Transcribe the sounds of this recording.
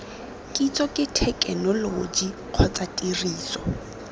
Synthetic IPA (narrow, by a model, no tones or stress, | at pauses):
kʼit͡sɔkʼɪtʰɛkʼɛnɔlod͡ʒi | q͡χʰɔt͡satʼiriːsɔ